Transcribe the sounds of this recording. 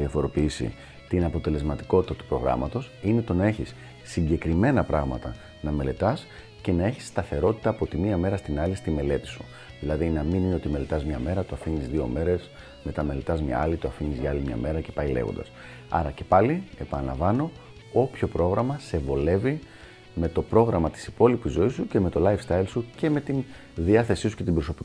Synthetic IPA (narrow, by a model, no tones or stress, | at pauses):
ðiɐfo̞ɾo̞piisḭ | t̪inɐpo̞t̪e̞le̞zmɐt̪i̥ko̞t̪i̥t̪ɐt̪u̥pɾo̞ɣɾɐ̰mɐt̪o̞sine̞t̪o̞nɐe̞çisː | iɲɟe̞kɾime̞nɐpɾɐɣmɐt̪ɐ | nɐme̞le̞t̪ɐs | ce̞nɐe̞çi̥sːt̪ɐθe̞ɾo̞t̪i̥t̪ɐːpo̞t̪imiɐme̞ɾɐst̪inɐlist̪ime̞le̞t̪i̥su̥ | ðilɐðinɐminineo̞t̪ime̞le̞t̪ɐzmɲɐme̞ɾɐt̪oɐfiɲizðio̞̰me̞ɾe̞s | me̞t̪ɐme̞le̞t̪ɐzmɲɐ̰ɐlit̪oɐfiɲizʝɐlimɲɐ̰me̞ɾɐce̞pɐjlḛɣo̰d̪ɐ̰s | ɐ̰ɾɐce̞̥pɐlie̞pɐnɐlɐ̰ɱvɐno̞ | opço̞pɾo̞ɣɾɐmɐse̞vo̞le̞vi | me̞t̪o̞pɾo̞ɣɾɐmɐt̪i̥si̥po̞lipizo̞isuce̞me̞t̪o̞lɐjfst̪ɐjlsuce̞me̞t̪in | ðiɐθe̞sisu̥ce̞t̪ibɾo̞so̞pi